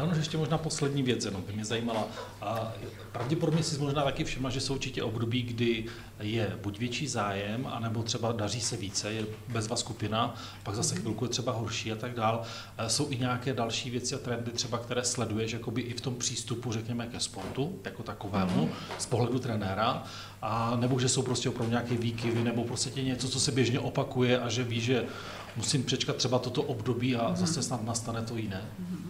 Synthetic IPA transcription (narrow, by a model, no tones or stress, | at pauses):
anuʃjɛʃcɛmoʒnaːposlɛdɲiːvjɛt͡sjɛno̞mbɪmɲɛzajiːmala | pɾavɟɛpodobɲɛsɪmoʒnaːt̪akɪfʃɪmlaʒɛsowʔuɾt͡ʃɪcɛʔo̞bdo̞biːɡdɪ | jɛbucvjɛt͡ʃiːzaːjɛma̰nɛbo̞t̪r̥ɛbadariːsɛviːt͡sɛjɛbɛzvaskupɪna | paɡzasɛxvɪlkujɛt̪r̥ɛbaɦoɾʃiːat̪aɡdaːl | so̞wʔɪɲaːkɛːdalʃiːvjɛt͡sɪat̪ɾɛndɪt̪r̝̥ɛbak̚t̪ɛɾɛːslɛdujɛʃjako̞bɪʔɪft̪o̞mpr̝̥iːst̪upurɛkɲɛmɛkɛspoɾt̪ujako̞t̪akovɛːmuspoɦlɛdut̪ɾɛnɛːɾa | ʔanɛboʒɛso̞wpɾoscʲɛopɾavduɲakɛːviːkɪvɪnɛbo̞pɾost̪acɛɲɛt͡sot͡sosɛbjɛʒɲɛʔo̞pakujɛʔaʒɛviːʒɛ | musɪmpr̝̥ɛt͡ʃkat̪t̪ːr̥ɛbat̪ːot̪o̞ʔobdo̞biːazasɛsnat̪nast̪anɛt̪o̞jɪnɛː